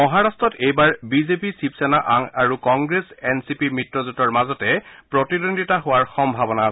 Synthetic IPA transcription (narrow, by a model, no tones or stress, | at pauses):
mɔɦaɹastɔtejbaɹbizepisipsɛnaʔaŋaɹukɔŋɡɹesɛnsipimɹitɹɔzutɔɹmazɔtɛpɹɔtidondʱitaɦowaɹxɔmbʱabɔna